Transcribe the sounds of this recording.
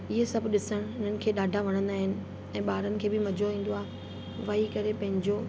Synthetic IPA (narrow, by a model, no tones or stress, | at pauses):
ɪɦesɐbʱɗɪsəɽ̃ɪn̤ənɪ̆kʰeːɗaːɖʱaʋɐɽ̃ə̃nd̪aːɦɪnɪ̆ | ɛ̃ːɓaːɾənɪ̆kʰeːbɪmɐd͡ʑʱoĩːn̆d̪oaːe | ʋɐikɐɾepɐ̃ɦɪ̃ɲd͡ʑo